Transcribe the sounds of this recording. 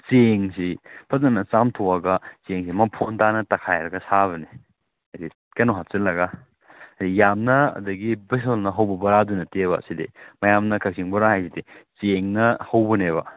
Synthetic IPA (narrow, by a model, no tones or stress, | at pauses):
t͡ʃeŋsipʰɐtnɐnɐt͡ʃamtʰowɐɡɐt͡ʃeŋsimɐpʰontanɐtɐkʰajɾɐɡɐsaβɐni | ɐdi | kɐjnoɦatt͡ʃɐlɐɡɐ | ɐdijamnɐɐ̰dɐɡibis̬olnɐɦɐwbɐbɐɾadunɐteβɐ̰sidḭmɐjamnɐkʰɐk̚siŋbɐɾaɦajsidit͡ʃeŋnɐhɐwbɐneβɐ̰